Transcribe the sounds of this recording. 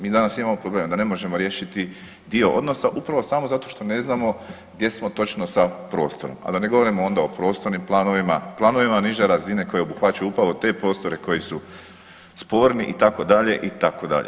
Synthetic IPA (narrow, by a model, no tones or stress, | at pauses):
miːd̪anasimamo̞pɾobleːmd̪ane̞mo̞ʒe̞mo̞ɾje̞ːʃit̪i | d̪io̞ʔo̞̰d̪no̞saʔupɾaʋo̞saːmozat̪o̞ʃt̪o̞ne̞znamo̞ | ɡd̪je̞smo̞t̪o̞t͡ʃno̞sapɾo̞̰ːst̪o̞ɾo̞̰ma̰d̪ane̞ɡo̞ʋo̞ɾimoo̞nd̪ao̞pɾo̞st̪o̞ɾnimplˠaːnoʋimaplˠaːno̞ʋimaniʒeɾazine̞ko̞jeo̞buxʋat͡ʃajuupɾaʋo̞t̪e̞pɾo̞ːst̪oɾe̞ko̞jisu | spo̞ːɾniʔit̪ako̞d̪aʎe̞ʔit̪ako̞d̪a̰ʎḛ